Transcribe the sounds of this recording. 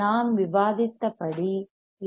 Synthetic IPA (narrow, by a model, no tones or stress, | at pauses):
aːmʋɪʋaːðɪt̪ːɐpɐɽi